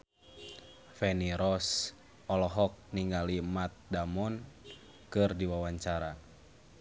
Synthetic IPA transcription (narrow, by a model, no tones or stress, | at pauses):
fɛniɾɔs | ɔlɔɦɔk̚niŋɡalimat̪̚damɔn | kɨrdiwawaɲt͡ʃaɾa